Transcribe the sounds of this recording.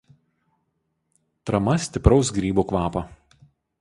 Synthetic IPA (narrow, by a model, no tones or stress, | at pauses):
t̪ɾɐmɐsʲt̪ʲɪpɾɒʊsɡɾʲiːbuːkʋɑːpɐ